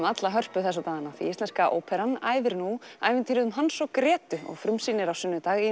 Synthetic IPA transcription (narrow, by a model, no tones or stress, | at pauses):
mat̪laɦœr̥pʏθɛsawt̪aːɣanaθḭɛst̪ɛnskaʔo̰ːwpʰɛɾana̰ːjvɪɾnuajvɪnt̪ʰiɾʏðʏmɦansɔkɾɛːt̪ʏɔ̰ɣfɾʏmsiːnɪɾawsʏnːʏt̪aːɣi